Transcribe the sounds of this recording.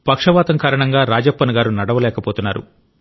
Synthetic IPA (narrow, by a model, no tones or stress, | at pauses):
pɐkʂɐʋaːt̪ɐŋkaːɾɐɳɐŋɡaːɾaːd͡ʒɐpːɐnɐɡaːɾunɐɽɐʋɐlɛːkɐpoːt̪unːaːɾṵ